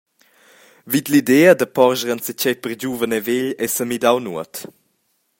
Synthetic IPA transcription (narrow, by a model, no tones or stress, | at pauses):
vid̪lidɛːədəpɔɾʒəɾənsət͡ɕɛjpərd͡ʑuvənɛveʎɛsəmidawnṵət